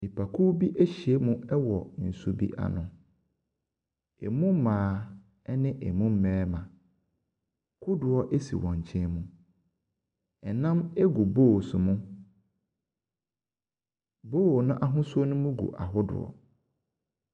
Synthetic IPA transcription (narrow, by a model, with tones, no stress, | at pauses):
ɪ˨pʰa˨kʰu˦bi˦ʔe˦ɕi˨e˦mũ˦ɛ˦wɔ˨n̩˨su˦bḭ˦ʔa̰˨nʊ̃˨ | ɛ̰˨mũ˦mãː˨˦ | ɛ˦nɪ̃˦ʔɛ˨mũ˦m̩˦mɛ̃ː˦mã˨ | kʰʊ˦dʊ˨ɔ˦ʔe˦sḭ˨wɔ̃˨ɲ˨t͡ɕʰɛ̃˦mũ˦ | ɛ˨nã˦mɛ˦ɡu˨boː˦˨sʊ˨mʊ̃˦ | boː˦˨nʊ̃˦ʔa˦ɦʊ̃˦sʊ˦ɔ˦nʊ̃˦mũ˦ɡṵ˨ʔa˨ɦʊ˦dʊ̰˨ɔ̰˨